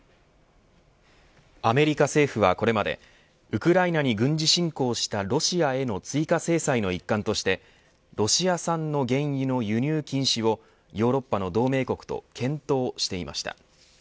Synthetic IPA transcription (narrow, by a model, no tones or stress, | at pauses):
ame̞ɾʲikase̞ːɸɯ̟βako̞ɾe̞mad̪e̞̰ | ɯ̟kɯ̟ɾainaɲ̟iɡɯ̟̃ɲ̟d͡ʑiɕĩŋko̞ːɕi̥t̪aɾo̞ɕiae̞no̞t͡sɨikase̞ːsaino̞ikːãnt̪o̞ɕi̥t̪e̞ | ɾo̞ɕiasãnːo̞ɡẽ̞ɰ̃jino̞jɯ̟ɲ̟ʲɨːkʲĩɰ̃ɕiβo̞ | jo̞ːɾo̞pːano̞d̪o̞ːme̞ːko̞kɯ̟̥t̪o̞̰kʰẽ̞nt̪o̞ːɕi̥t̪e̞ima̰ɕi̥t̪a̰